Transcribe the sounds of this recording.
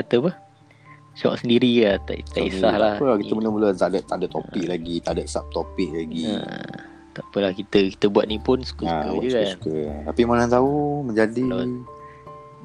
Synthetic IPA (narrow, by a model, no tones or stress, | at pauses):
at̪əpə | sɔ̰ʔsəndiɾiat̪a̰ʔt̪a̰ʔḭsahlapəlakit̪əmuləbuləzadaʔt̪ːadaʔt̪ːo̰pɪk̚laɡit̪adaʔ̪̚sap̚t̪opɪk̚laɡḭ | t̪apəlahkit̪əki̥t̪əbuwat̪̚nipʊnsu̥kəsakəd͡ʒukaksnkət̪apimanaŋt̪aumə̃ɲd͡ʒadi